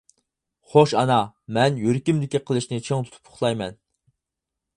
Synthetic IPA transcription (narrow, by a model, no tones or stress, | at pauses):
χoʃɑnɑmɛnjøɾkʲimd̪ɪkʲiqʰəlˠɨʃnɪt͡ʃʰeŋt̪ʰu̥t̪ʰu̥pʰʊ̥χlˠɑjmɛn